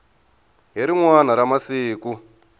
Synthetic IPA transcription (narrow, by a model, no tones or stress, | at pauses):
ɦiɾiŋwan̤aɾamasiːku